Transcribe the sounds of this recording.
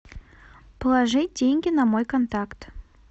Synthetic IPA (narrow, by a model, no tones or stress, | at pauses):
plˠɑʐɨt̚ʲdʲeŋʲɡʲɪnɑmojkont̪ɑkt̪